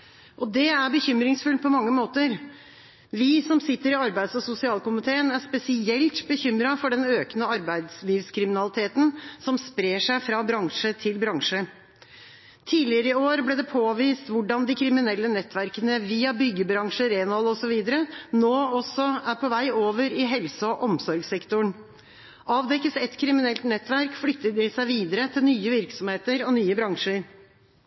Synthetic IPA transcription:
ʔɔd̪ɛæɾbəçʏmɾɪŋsfʉlpʰɔmɑŋːəmoːt̪əɾ | ʋɪsɔmsɪt̪ːəɾɪɑɾbæɪsɔsʊsɪɑːlkʊmɪt̪ʰeːənæʂpɛsɪɛlt̪bəçʏmɾɑfɔɖɛnøːkənəɑɾbæɪd̪sliːʋskʰɾɪmɪnɑlɪt̪ʰeːt̪n̩sɔmspɾeːʂæɪfɾɑbɾɑŋʂət̪ʰɪlbɾɑŋʂə | t̪ʰiːlɪəɾəɪoːɾbleːd̪ɛpʰoːʋiːst̪ʋʊɖɑnd̪ɪkʰɾɪmɪnɛlːənɛt̪ːʋæɾkənəʋiːɑbʏɡəbɾɑŋʂəɾeːnɔːlɔsɔʋiːd̪əɾənoːɔsɔæɾpʰɔʋæɪoːʋəɾɪɦɛlsəɔʔɔmsɔɾɡsɛkt̪ʊɳ | ʔɑːʋd̪ɛkːəsɛt̪kʰɾɪmɪnɛlt̪nɛt̪ʋæɾkflʏkt̪ːəd̪ɪsæɪʋiːd̪əɾət̪ʰɪlnyːəʋɪɾksɔmheːt̪əɾɔnyːəbɾɑŋʂəɾ

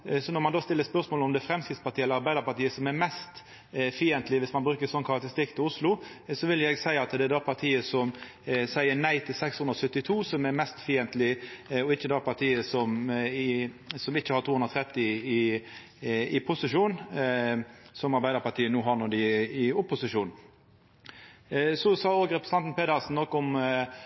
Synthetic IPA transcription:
sɔnɔɾmɑnd̪ɑːst̪ɪlːəɾspœɾsmoːlɔmd̪ɛfɾɛmskɾɪt̪spɑt̪ʰiːɛlːəɾɑɾbæɪd̪əɾpɑɾt̪iːəsɔmɛɾmɛst̪ | fiːɛnt̪lɪʋɪsmɑnbɾʉːkəɾsɔnːkʰɑɾɑk̚t̪əɾɪst̪ɪk̚t̪ʰɪlʊslʊsɔʋɪljɛɡsæɪɑt̪d̪ɛɛd̪ɑːpʰɑɾt̪ʰiːəsɔm | sæɪəɾnæɪt̪ʰɪlsɛkshʉnɾɔsœt̪ːɪt̪ʰuːsɔmɛɾmɛst̪fiːɛnt̪lɪɔɪçːəd̪ɑːpʰɑɾt̪ʰiːəsɔmɪsɔmɪçːəhɑɾt̪ʰuːhʉnɾɔt̪ʰɾɛt̪ːɪɪ | ɪpʰʊsɪʂuːn | sɔmɑɾbæɪd̪əɾpɑʈ̪ʰiːənuːɦɑɾnuːd̪ɪɪʊpːʊsɪʂuːn | sɔsɑːoːɡɾɛpɾɛst̪ɑnt̪n̩pʰeːd̪ɑsn̩nɔkːɔm

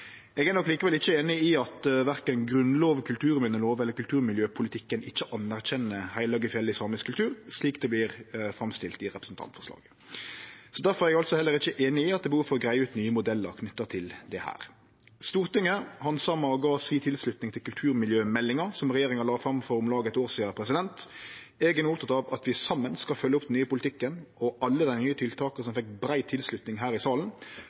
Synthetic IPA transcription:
ɛɡæːɾnɔkːliːkəʋɛlɪçːəeːnɪɪɑt̪ʋæʁkənɡɾʉnloːʋkʰʉlt̪ʰʉːɾmɛnəloːʋɛlːəɾkʉlt̪ʰʉːɾmɪljøːpʰʊlɪt̪ʰɪkːənɪçːəʔɑnːæʁçɛnːəhæɪlɑːɡɪfjɛlːɪsɑːmɪskʰːʉlt̪ʰʉːɾsliːkd̪ɛblɪɾfɾɑmst̪ɪlt̪ɪɾɛpɾəsn̩t̪ʰɑ̰nt̪fɔʂlɑ̰ːɡ̥ | sɔd̪æɾfɔɾɛɾɛɡɑlt̪sɔhɛlːəɾɪçːəʔeːnɪɪɑt̪d̪ɛbəhuːfɔɾɔɡɾæɪəʉːt̪nyːəmʊd̪ɛlːə̰ɾkʰnʏt̪ːət̪ʰɪld̪ɛhæ̰ːɾ | st̪uːʁt̪ɪŋəhɑnsɑmɑɔɡɑːsiːt̪ʰɪlslʉt̪nɪŋt̪ʰɪlkʉlt̪ʰʉːɾmɪljøːmɛlːɪŋɑɾsɔmʁɛjeːɾɪŋɑlɑːfɾɑmfɔɾʊmlɑːɡəɛt̪oːʁsiːɑpʰɾɛsɪd̪ɛnt̪ | eːɡənʊpt̪ʰɑt̪ɑʋɑt̪ʋɪsɑmːənskɑfœlːəʊp̚ːd̪nyːəpʊlɪt̪ʰɪkːənɔʔɑlːəd̪æɪnyːət̪ʰɪlt̪ʰɑːkəsɔmfɛkːbɾæɪt̪ʰːɪlslʉt̪nɪŋɦæːɾɪsɑːln̩

